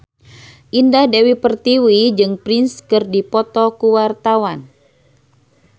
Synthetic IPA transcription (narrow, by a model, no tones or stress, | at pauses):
ʔindahdewipərt̪iwid͡ʒɨŋpɾinskɨrdipɔt̪ɔkuwart̪awan